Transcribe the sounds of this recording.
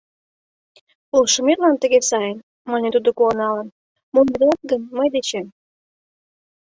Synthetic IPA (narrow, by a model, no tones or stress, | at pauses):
ulʃə̆merlɑnt̪ə̆ɣesɑjən | mɑnʲet̪ud̪okuɑnɑlən | munb̪eɑt̪̚ɡənməjd̪et͡ɕem